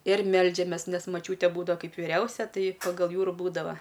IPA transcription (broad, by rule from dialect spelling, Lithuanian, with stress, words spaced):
ɪr ˈmʲɛlʲd͡ʒʲɛmʲeːs nʲɛs mɐˈt͡ʃʲuːtʲeː ˈbuːdɐʋɐ ˈkɐɪp ʋʲɪˈrʲɛʊsʲɛ ˈtɐɪ pɐɡɐlˠ ˈjuː ɪr ˈbuːdɐʋɐ